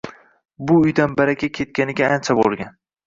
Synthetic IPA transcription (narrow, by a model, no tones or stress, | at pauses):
bʊʊjd̪anbaɾakʲʰakʲʰe̞t̪̚kʲanɪɡʲaant͡ʃʰabo̰lˠɡʲan